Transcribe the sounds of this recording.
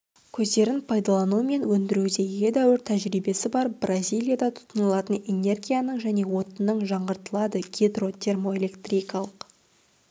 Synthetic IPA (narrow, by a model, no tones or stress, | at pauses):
kʲʰɵzd̪e̞ɾɪnpʰɑjd̪ɑlˠɑnume̞nwɵnd̪ɪɾud̪e̞je̞d̪æwʏɾt̪ʰæʒɾijbe̞sɪbɑɾbrʔazʲijlʲˠijad̪ɑt̪ʰʊ̥t̪ənəlˠɑt̪əne̞ne̞rɡʲijanəɴʒæne̞wo̞t̪ənəɴʒɑɴʁəɾt̪əlˠɑd̪əɡʲed̪ro̞t̪ʲʰe̞rmo̞elʲe̞kt̪rʲijkɑlˠəq